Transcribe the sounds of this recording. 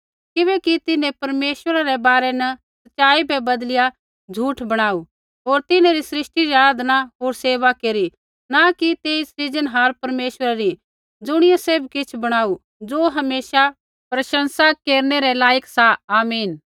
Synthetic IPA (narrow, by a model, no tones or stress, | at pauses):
kɪβɛkit̪ɪnẽpɐɾmeːʃwəɾaɾɛbaːɾɛnɐsɐtːt͡ʃaːibɛbɐd̪lɪja | d͡ʒʱuːʈʰbɐɽ̃aːu | ɦoːɾt̪ɪnẽɾisɾɪʃʈiɾaːd̪naɦoːɾseːʋakeːɾi | nakit̪eːissɪd͡ʒənɦaːɾpɐɾmeːʃəɾaɾi | d͡zʊɽ̃ɪjaseːbkɪt͡ʃʰbɐɽ̃aːu | d͡zoːɦɐmeːʃa | pɾɐʃə̃nsakeːɾnɛɾɛlaːjəksaaːmiːn